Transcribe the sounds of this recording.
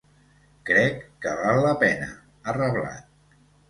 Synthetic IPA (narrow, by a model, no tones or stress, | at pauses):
kɾɛkːəβalˠːəpɛnə̰ | ərəβla̰t̪̚